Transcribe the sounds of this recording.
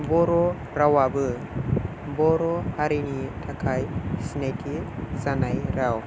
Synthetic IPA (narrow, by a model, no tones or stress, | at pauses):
bɔɾɔ | ɾawabɯ | bɔɾɔhaɾinitʰakʰajsinajtʰizanajɾaw